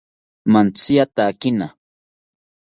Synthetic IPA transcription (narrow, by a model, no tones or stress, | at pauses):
mant͡sɪjat̪akɪna